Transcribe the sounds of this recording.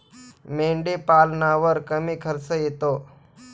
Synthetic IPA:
meɳɖepalnaʋəɾkəmiːkʰəɾsəjet̪o

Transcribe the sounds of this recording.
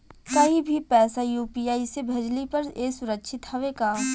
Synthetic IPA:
kɐɦĩbʱipɛːsajuːpijaːisebʱɐd͡ʒlipɐɾeːsʊɾəkʃʰɪt̪hɐʋekaː

